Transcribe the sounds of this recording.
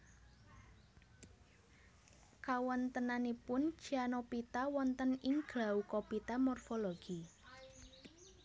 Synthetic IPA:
kawɔnt̪ənanepʊn̥ʒ̥ianopit̪awɔnt̪ənɪŋɡ̥laukopit̪amɔrfɔloɡ̥i

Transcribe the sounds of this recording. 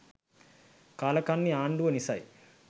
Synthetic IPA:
kaːlɐkaːnːiaːɳɖuʋɐnisa̰ːji

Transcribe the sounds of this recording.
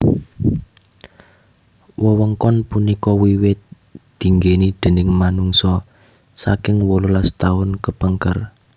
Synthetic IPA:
wɔwəŋkɔnpunikɔwiwɪt̪̚ | d̪̥i̤ŋɡenid̪̥ə̤nɪŋmanuŋsɔ | sa̰kɪŋwɔlulast̪aʊnkəpəŋkər

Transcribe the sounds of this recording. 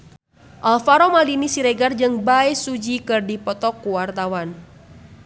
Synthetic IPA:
ʔalfaɾɔmalinisiɾɛɡard͡ʒɨŋbaɛsud͡ʒikɨrdipɔt̪ɔkːuwart̪awan

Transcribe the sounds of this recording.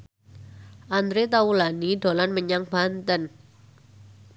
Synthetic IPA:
ʔand̪ɾet̪aulaniɖo̤lanməɲaŋb̥ant̪ən

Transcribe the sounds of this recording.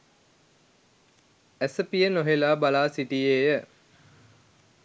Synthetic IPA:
æsəpijənoɦelaːbalaːsiʈijeːjə

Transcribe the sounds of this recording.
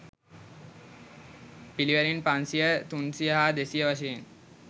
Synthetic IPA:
piliʋəɾinpansijət̪unsijəɦad̪esijəʋaʃ̬een

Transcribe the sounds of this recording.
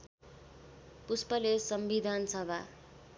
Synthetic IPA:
puspʌlesʌmbid̪ʱansʌbʱa

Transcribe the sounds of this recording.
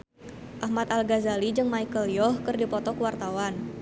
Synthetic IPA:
ʔahmat̪alɡazalid͡ʒɨŋmajkəljɔhkərdipɔt̪ɔkəwart̪awan

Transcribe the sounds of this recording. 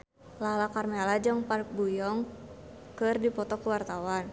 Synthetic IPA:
lalakarmɛlad͡ʒaŋpark̚bujɔŋ | kɨrdipɔt̪ɔkuwart̪awan

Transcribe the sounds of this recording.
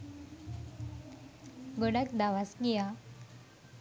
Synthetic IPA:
ɡoɽakd̪aʋasɡija

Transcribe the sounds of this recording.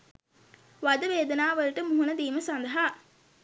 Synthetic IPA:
ʋad̪əʋeːd̪ənaːʋəlʈəmuɦunəd̪iːməsand̪ɐɦa

